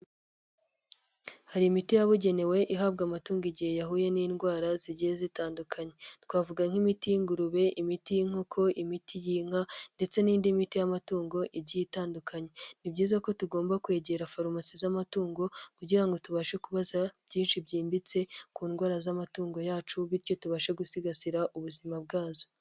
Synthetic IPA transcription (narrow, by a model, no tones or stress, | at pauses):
haɾiːmitijaβuɟe̞ne̞we̞ʔiɦab̚ɡamatuːŋɡiɟihe̞jaɦuːje̞niːnɡwaːɾaziɟijezitaːndukʰaɲe̞twaːvuɡaŋ̥imitijiŋɡuɾuβe̞ʔimitijiŋ̥okʰo̞ʔimitʰijiːŋ̥ande̞t͡se̞niːndimitijamatuːŋɡo̞ʔiɟitaːndukʰaɲe̞nibɟiːzako̞tuɡo̞ːmbakwe̞ːɟe̞ːɾafoɾomasizamatuːŋɡo̞kuɟiɾaŋɡo̞tuβaʃekuβazab̥ɟiːnʃibɟiːmbit͡se̞kuːnɡwaːɾazamatuːŋɡo̞jaːt͡ʃuβiɾco̞tuβaʃe̞ɡusiɡasiɾaʔuβuzimab̚ɡaːzo